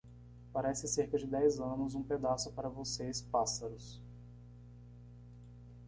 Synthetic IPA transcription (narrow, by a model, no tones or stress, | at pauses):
paɾɛsɪseɾkɐd͡ʒɪd̪ɛjzɐ̃nʊzũped̪asʊpaɾɐvosespasɐɾʊs